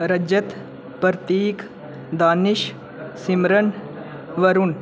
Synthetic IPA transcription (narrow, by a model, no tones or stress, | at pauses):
ɾɐd͡ʒɐt̪ | pəɾt̪iːk | d̪aːniʃ | simɾən | ʋɐɾun